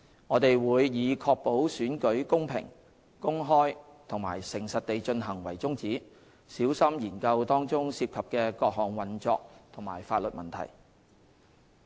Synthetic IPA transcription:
ŋɔː˨˧t̪e˨jwuː˨˧jːiː˨˧kʰɔː˧k̚po˨˥wsyː˨˥nkɵ˨˥ɥkʊ˥ŋpʰɪ̰˨˩ŋ | kʊ˥ŋɦɔː˥j | t̪ʰʊ˨˩ŋma̰ː˨˩jsɪ˨˩ŋsɐ˨t̚t̪e˨jt͡ʃɵ˧nɦɐ˨˩ŋwɐ̰˨˩jt͡sʊ˥ŋt͡siː˨˥ | siː˨˥wsɐ˥mjiː˨˩nkɐ˧wt̪ɔː˥ŋt͡sʊ˥ŋsiː˧p̚kʰɐ˨p̚kɛː˧kɔː˧k̚hɔː˨˩ŋwɐ˨˩nt͡sɔː˧k̚t̪ʰʊ˨˩ŋmaː˨˩jfaː˧t̚lɵ˨t̚mɐ˨nt̪ʰɐ̰˨˩j

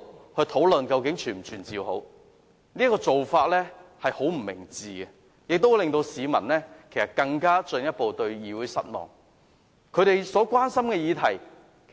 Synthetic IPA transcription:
hɵ˧t̪ʰo˨˥wlɵ˨nkɐ˧wkɪ˨˥ŋt͡ʃʰyː˨˩nm̩˨t͡ʃʰyː˨˩nt͡siː˨who̰˨˥w | niː˥kɔː˧t͡so˨wfaː˧t̚lɛː˥hɐ˨jho˨˥wm̩˨˩mɪ̰˨˩ŋt͡siː˨ɡɛ˧ | jɪ˨k̚t̪o˥wlɪ˨ŋt̪o˧wsiː˨˧mɐ̰˨˩nlɛː˥kʰe˨˩sɐ˨t̚kɐ˧ŋkaː˥t͡ʃɵ˧njɐ˥t̚po˨˧wt̪ɵ˧ɥjiː˨˧wuː˨˥jsɐ̰˥t̚mɔ̰ː˨˩ŋ | kʰɵ˨˧ɥɾe˨jsɔː˨˥kʷaː˥nsɐ˥mkɛː˧jiː˨˧t̪ʰɐ˨˩j

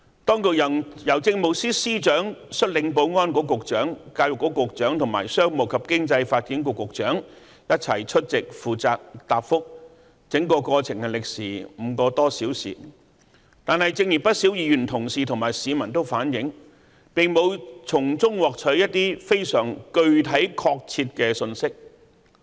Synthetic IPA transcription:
t̪ɔː˥ŋkʊ˨˩jɐ˨˩jɐ˨˩wt͡sɪ˧ŋmʊ˨ksiː˥siː˥t͡ʃœː˨˥ŋsɵ˥t̚lɪ˨˧˥ŋpo˧wŋɔː˥nkɔː˨˥kʊ˨k̚t͡ʃœː˨˥ŋkaː˧wjʊ˨˩kːɔː˨˥kʊ˨k̚t͡ʃœː˨˥ŋt̪ʰʊ˨˩ŋma̰ː˨˩jsœː˥ŋmʊ˨˩kʰɐ˨p̚kɪ˥ŋt͡sɐ˧jfaː˧t̚kiː˨˥nkʊ˨˧kːʊ˨k̚t͡ʃœː˨˥ŋ | jɐ˥t̚t͡sʰɐ˨˩jt͡ʃʰɵ˥t̚t͡sɪ˨k̚fuː˨t͡saː˨˧k̚t̪aː˨p̚fʊ˥k̚ | t͡sɪ˨˥ŋkɔː˧kɔː˧t͡sʰɪ˨˩ŋkɛ˧lɪ˨k̚siː˨˩m̩˨˧kɔː˧t̪ɔː˥siː˨˥wsḭː˨ | t̪aː˨nhɐ˨jt͡sɪ˧ŋji˨˩pɐ˥t̚si˨˥wjiː˨˧jyː˨˩nt̪ʰʊ˨˩ŋsiː˨t̪ʰʊ˨˩ŋmaː˨˩jsiː˨˧mɐ˨˩nt̪o˥wfaː˨˥njɪ˨˥ŋ | pɪ˨ŋmo˨˧wt͡sʰʊ˨˩ŋt͡sʊ˥ŋwɔː˨k̚t͡sʰɵ˨˥jɐ˥t̚t̪iː˥fe˥jsœː˨˩ŋkɵ˧ɥt̪ʰɐ˨˥jkʰɔː˧k̚t͡sʰiː˧t̚kɛː˧sɵ˧nsɪ˥k̚

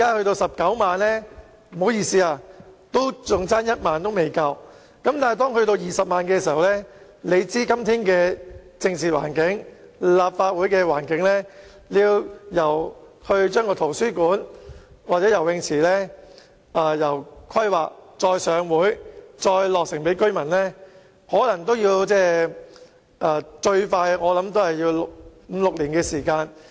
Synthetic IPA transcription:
kaː˥hɵ˧ɥt̪o˧wsɐ˨p̚kɐ˨˥wmaː˨˧nlɛː˥ | m̩˩ho˨˥wjiː˧˩siː˧aː˧t̪o˥wt͡sʊ˨ŋt͡saː˥njɐ˥t̚maː˨nt̪o˥wme˨jkɐ˧w | kɐ˨˥mt̪aː˨n˨˩jt̪ɔː˥ŋhɵ˧ɥt̪o˧wjiː˨sɐ˨p̚maː˨˧nkɛː˧siː˨˩hɐ˨wlɛː˥ | le˨˧jt͡siː˥kɐ˥mt̪ʰiː˥nkɛː˧t͡sɪ˧ŋt͡sʰiː˨t̚wa̰ː˨˩nkɪ˨˥ŋlaː˨˩p̚faː˧t̚wuː˨˥jkɛː˧waː˨˩nkɪ˨˥ŋlɛː˥ | liː˧wjɐ˨˩whɵ˧ɥt͡ʃœː˥ŋkɔː˧t̪ʰo˨˩wsyː˥kuː˨˥nwaː˨t̚t͡sɛ˨˥jɐ˨˩wɪ˧ŋt͡sʰiː˨˩lɛː˥ | aː˧jɐ˨˩wkʰɐ˥jwaː˨k̚t͡sɔː˧jsœː˨˧ŋwuː˨˥jt͡sɔː˧jlɔː˨k̚sɪ˨˩ŋpe˨˥jkɵ˥ɥmɐ˨˩nlɛː˥ | hɔː˨˥lɐ˨˩ŋt̪o˥wjiː˧wt͡sɛː˥˩ | ʔaː˧˩t͡ʃɵ˧ɥfaː˧jŋɔː˨˧lɐ˨˥mt̪o˥whɐ˨˩jːiː˧wlʊ˨k̚m̩˨˧lʊ˨k̚liː˨˩nkɛː˧siː˨˩kaː˧n

